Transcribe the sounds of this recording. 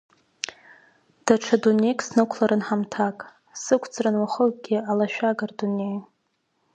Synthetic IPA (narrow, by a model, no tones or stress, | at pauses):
d̥aʈ͡ʂʰadune̞jkʼsnɨkʷʰlaɾʔɨnħamtʰakʼ | sɨkʷʰt͡sʰʼrɨnwaχəɡʲialaʃᶣaɡardunej